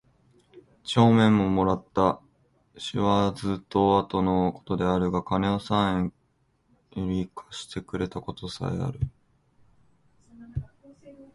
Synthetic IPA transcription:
t͡ɕo̞ːmẽ̞mːo̞mo̞ɾat̪ːa | ɕiβad͡zɨt̪ːo̞at̪o̞no̞ko̞̥t̪o̞d̪e̞aɾɯ̟ɡakane̞osãẽŋ | joɾʲikʰḁɕi̥t̪e̞kɯ̟ɾe̞t̪ako̞t̪o̞sa̰ea̰ɾɯ̟

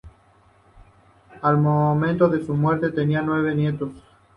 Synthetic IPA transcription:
almomẽnt̪oðe̞sumwe̞ɾt̪e̞t̪enianwe̞β̞e̞nje̞t̪os

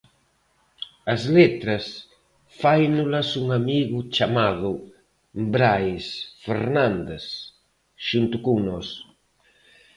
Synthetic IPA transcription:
ɐzlet̪ɾɐs | fajnulɐsuŋamiɣʊt͡ʃamaðʊ | bɾajsfḛɾnãnd̪es | ʃunt̪ʊkuŋnɔs

